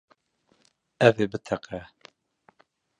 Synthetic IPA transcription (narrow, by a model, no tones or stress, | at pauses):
ɛveːbɨt̪ʰɛqɛ